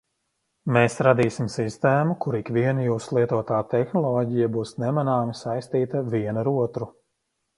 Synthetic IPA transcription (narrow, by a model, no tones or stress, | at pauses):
meːsɾad̪iːsimsist̪ɛːmukuɾikviɛnjuːslˠiɛt̪uɔt̪aːt̪ɛxnɔlˠɔːɟijabuːsnɛmanaːmisajst̪iːt̪ɐviɛnaɾuɔt̪ɾu